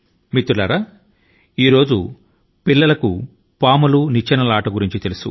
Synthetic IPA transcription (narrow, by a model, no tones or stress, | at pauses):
mit̪ːulɐɾa | iːɾo̞ːd͡ʒu | pilːɐlɐku | paːmɐlunit͡ʃːɐnɐlaːʈɐɡuɾiɲt͡ʃit̪elusu